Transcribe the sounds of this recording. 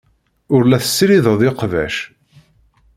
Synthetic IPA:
ʊɾlæθə̥sɾiðəðˤɪqvæ̰ʃ

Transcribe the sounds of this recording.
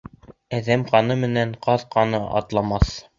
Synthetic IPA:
æðæmqɑnɤmɘ̆næɴqʰɑðqɑnɤʔɑ̰t̪lˠɑmɑθ

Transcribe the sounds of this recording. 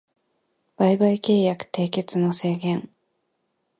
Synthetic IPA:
b̥aibaike̞ːjakɯ̟̥t̪e̞ːke̞t͡sɨno̞se̞ːɡẽ̞ŋ

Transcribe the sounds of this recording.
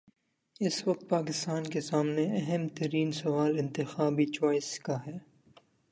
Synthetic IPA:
ɪsʋɐk̚t̪̚paːkɪst̪aːnkesaːmneɛɦɛmt̪ɐɾiːnsɐʋaːlɪ̃nt̪ɪxaːbit͡ʃɔːɪskaɦɛː

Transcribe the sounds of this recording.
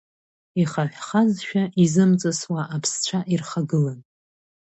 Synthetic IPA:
iχaħʷχazʃᶣaʔizɨmt͡sʼaswaʔːpʰst͡ɕʷʰaʔirχaɡɨlan

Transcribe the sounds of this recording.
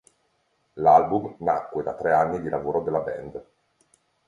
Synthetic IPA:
lalbumnakːwed̪at̪ːɾeanːid̪ilavoːɾod̪elːabɛ̰nd̪

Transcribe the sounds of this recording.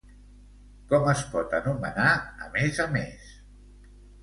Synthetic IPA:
kɔməspɔt̪ənumə̰naə̰mezəmes

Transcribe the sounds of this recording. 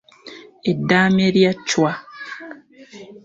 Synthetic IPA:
edːaːmeɾjat͡ʃːwa

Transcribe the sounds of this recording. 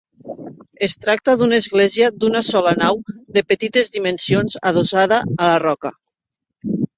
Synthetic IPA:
est̪ɾak̚t̪əðunaezɣlɛziəd̪unasɔlanawðəpət̪it̪ezðimənsionzað̞ozað̞aːlarɔkə

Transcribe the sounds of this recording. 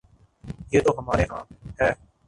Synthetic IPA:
jeːt̪oːɦəmaːɾeːɦã̰ːɦɛː

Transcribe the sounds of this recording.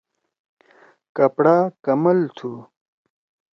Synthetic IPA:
kɐpɽaːkɐmɐlt̪ʰu

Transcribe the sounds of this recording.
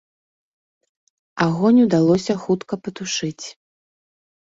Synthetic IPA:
aɣɔnʲud̪alˠɔsʲɐxut̪kɐpɐt̪uʂɨt͡sʲ

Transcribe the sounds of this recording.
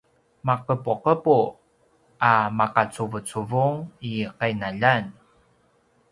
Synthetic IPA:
maqəpuqəpu | amaqat͡suvət͡suvuŋiqajnaʎan

